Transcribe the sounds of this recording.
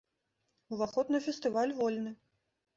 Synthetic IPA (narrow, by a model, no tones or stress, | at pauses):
uvaxɔd̪nɐfʲɛst̪ɨvalʲvɔlʲnɨ